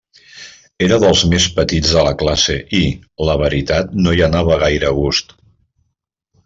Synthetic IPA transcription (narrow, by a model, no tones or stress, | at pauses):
eɾəðəlˠzmespət̪id͡zðələklasḛʔiləβ̞əɾit̪at̪noiənaβ̞əɣ̞ajɾəɣust̪